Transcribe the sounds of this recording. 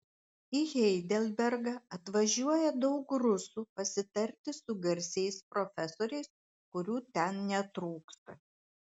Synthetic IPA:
iɣʲɛɪd̪ʲɛlʲbʲɛɾɡɐɐt̪ʋɐʒʲuɔjɛd̪ɒʊkɾʊsuːpɐsʲɪt̪ɐɾʲt̪ʲɪsʊɡɐɾʲsʲɛɪspɾɔfʲɛsoːɾʲɛɪs | kʊɾʲuːt̪ʲɛnnʲɛt̪ɾuːkst̪ɐ

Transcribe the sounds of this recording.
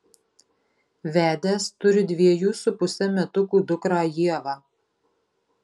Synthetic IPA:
ʋʲæːd̪ʲeːst̪ʊɾʲɪd̪ʲʋʲiɛjuːsʊpʊsʲɛmʲɛt̪ʊkuːd̪ʊkɾɑːjiɛʋɑː

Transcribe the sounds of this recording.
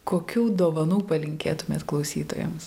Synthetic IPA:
koːkʲuːd̪oːʋɐnuːpɐlʲɪŋʲkʲeːt̪ʊmʲeːt̪klˠɒʊsʲiːt̪o̰ːjɛ̰ms

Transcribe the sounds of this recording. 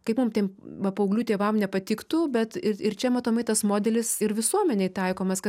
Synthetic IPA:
kɐɪpmʊmt̪ʲeːmʋɐpɐʊɡlʲuːt̪ʲeːʋɐmnʲɛpɐt̪ʲɪkt̪uːbʲɛt̪ɪɪɾt͡ʃʲɛmɐt̪oːmɐɪt̪ɐsmoːd̪ʲɛlʲɪsɪɾʋʲɪsuɔmʲɛnʲɛɪt̪ɐɪkoːmɐskɐ

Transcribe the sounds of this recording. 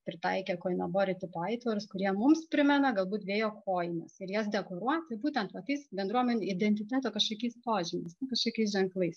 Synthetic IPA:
pʲɾʲɪt̪ɐɪkʲɛkoːjɪnɐboːɾʲɪt̪ʲɪpoɐɪt̪ʋɐɾʊskʊɾʲiɛmʊmspʲɾʲɪmʲɛnɐɡɐlˠbuːt̪ʋʲeːjoːkʰoːjɪmɐsɪɾjɛsd̪ʲɛkoːɾuɔt̪buːt̪ʲɛnt̪ʋɐt̪ɐɪsbʲɛnd̪ɾuɔmʲɛnʲuɪd̪ʲɛnʲt̪ʲɪt̪ʲæːt̪oːkɐʃkɐkʲɛɪspoːʒʲɪmʲɐɪsʲkɐʃkɐkʲɛɪs̬ʒʲɛŋklˠɐɪs

